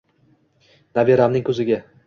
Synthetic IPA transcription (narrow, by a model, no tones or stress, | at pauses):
naveɾamnɪŋkʰɵzɪɡʲa